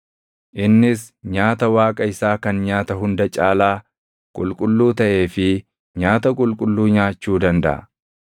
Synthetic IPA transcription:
ʔɪnːɪs | ɲaːt̪ɐwaːkʼɐɪsaːkɐnɲaːt̪ɐɦʊnd̪ɐt͡ʃʼaːlaː | kʼʊ̰lkʼʊlːuːt̪ɐʔe̞ːfɪ | ɲaːt̪ɐkʼʊlkʼʊlːuːɲaːt͡ʃːuːd̪ɐnd̪ɐ̰ʔɐ̰

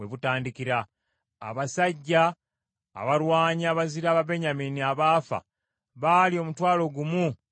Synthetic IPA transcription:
weβutaːndikiɾa̰ː | βasaɟːa̰ː | βaɾwaːɲiaːβaziɾaːβabe̞ɲamiːniaβaːfa̰ | βaːlio̞ːmutwaːlo̞ɡumu

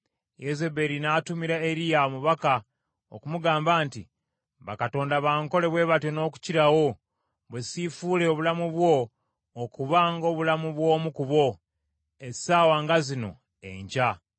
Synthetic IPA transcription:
jeze̞be̞ɾinaːtumiɾaeɾijaomuβaka | o̰kumuɡaːmbaːnti | βa̰kato̞ːndaβaːŋko̞le̞βwe̞ːβatjo̞no̞ːku̥ciɾawo̞ | βwe̞sifuːle̞oβulamuβwo̞ː | kuβaːŋɡo̞ːβulamuβwo̞ːmukuβo̞ | e̥saːwaːŋɡazino̞̰ | ḛɲɟa

